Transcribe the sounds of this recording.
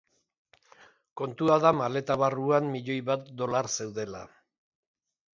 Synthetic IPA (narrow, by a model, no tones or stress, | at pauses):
ko̞nt̪uaðamale̞t̪aβaruammiʎo̞jβat̪̚d̪o̞laɾse̞wðe̞la̰